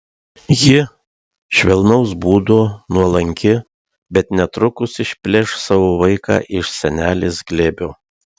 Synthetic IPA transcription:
jɪ | ʃʲʋʲɛlˠnɐʊsbuːd̪oːnuɔlˠɐŋʲkʲɪ | bʲɛt̪nʲɛt̪ɾʊkʊsɪʃʲpʲlʲɛʃsɑːʋoːʋɐɪkɑ̰ːʔɪʃsʲɛnʲæːlʲeːsɡlʲeːbʲoː

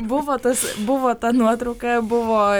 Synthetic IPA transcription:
bʊʋoːt̪ɐsbʊʋoːt̪ɐnuɔt̪ɾɐʊkɐbʊʋoː

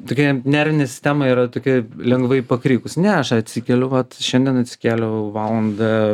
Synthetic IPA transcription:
t̪oːkʲɛnʲæɾʲʋʲɪnʲɛsʲɪ̥sʲt̪ʲæːmɐiːɾɐt̪oːkʲɪlʲɛŋɡʋɐɪpɐkɾʲiːkʊsʲnʲɛɐʃɐt̪ʲsʲikʲɛlʲʊʋɐt̪ʃʲɛnʲd̪ʲiɛnɐt̪ʲsʲɪ̥kʲæːlʲoʋɑːlˠɐnd̪ɐ

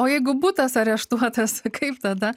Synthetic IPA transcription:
oːjɛɪɡʊbuːt̪ɐsɐɾʲɛʃt̪uɔt̪ɐskʰɐɪpt̪ɐd̪ɐ

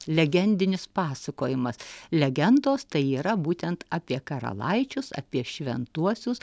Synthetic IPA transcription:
lʲɛɡʲɛnʲd̪ʲɪnʲɪspɑːsɐkoːjɪmɐslʲɛɡʲɛnd̪oːst̪ɐɪiːɾɐbuːt̪ʲɛnt̪ɑːpʲiɛkɐɾɐ̰lˠɐɪt͡ʃʲʊsɐ̰ːpʲiɛʃʲʋʲɛnt̪uɔsʲʊs

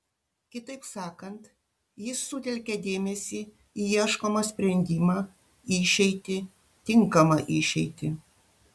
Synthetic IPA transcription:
kʲɪt̪ɐɪpsɑːkɐnt̪ | jɪsːʊt̪ʲɛlʲkʲɛd̪ʲeːmʲɛsʲiː | iiɛʃkoːmɐsʲpʲɾʲɛnʲd̪ʲɪmɑː | ɪʃʲɛɪt̪ʲɪ | t̪ʲɪŋˑkɐmɐʔɪʃʲɛɪt̪ʲɪ

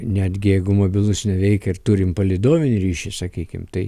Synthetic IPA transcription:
nʲæːd̪ʲɡʲɪjɛɪɡʊmoːbʲɪlˠʊsnʲɛʋʲɛɪkʲɛɪrt̪uːɾʲɪmpɐlʲid̪oːʋʲɪnʲɪɾʲiːʃʲɪsɐkʲiːkʲɪ̰mt̪ɐɪ

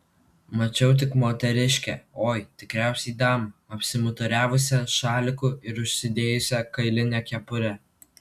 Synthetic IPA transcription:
mɐt͡ʃʲɛʊt̪̬ʲɪkmoːt̪ʲɛɾʲɪʃʲkʲɛoːjt̪ʲɪkɾʲæˑʊsʲɛid̪ɑːmɐɐpʲsʲɪmʊt̪ʊɾʲæːʋʊsʲɛʃɑːlʲɪkuɪɾʊʃʲsʲɪd̪ʲeːjʊsʲɛkɐɪlʲɪnʲɛkʲɛpʊɾʲɛ

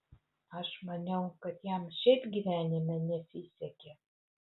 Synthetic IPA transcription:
ɐʃmɐnʲɛʊkɐt̪jæmʃʲɛt̪ɡʲiʋʲæːnʲɪmʲɛnʲɛsʲisʲɛkʲe

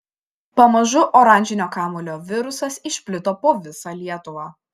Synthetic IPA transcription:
pɐmɐʒʊʔɔɾɐˑnʲd͡ʒʲɪnʲoːkɑːmolʲoːʋʲɪɾʊsɐsɪʃʲpʲlʲɪt̪oːpoːʋʲɪsɑːlʲiɛt̪ʊʋɑː

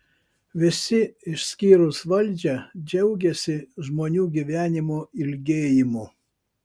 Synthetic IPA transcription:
ʋʲɪsʲɪɪʃʲsʲkʲiːɾʊsʋɐlʲˑd͡ʒʲɛd͡ʒʲɛʊɡʲɛsʲɪʒmoːnʲuːɡʲiʋʲæːnʲɪmoɪlʲɡʲeːjɪmʊ

